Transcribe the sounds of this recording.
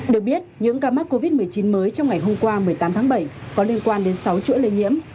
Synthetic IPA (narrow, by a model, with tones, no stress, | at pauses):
ɗɨ˨˩ək̚ɓi˦˥ət̚ɲɨ̰˧˥ŋkaː˧maː˦˥t̚ko˧vi˦˥t̚mɨ˨˩əjt͡ɕi˨˦nməː˨˦jt͡ɕɔ˧wŋ͡mŋa˨˩jɦo˧mkwaː˧mɨ˨˩əjt̪aː˨˦mt̪ʰaː˨˦ŋɓə˧˩jkɔ˨˦li˧ənkwaː˧nɗe˨˦nsa˨˦wt͡ɕɨ̰˧˥ələ˧jɲḭ˧˥əm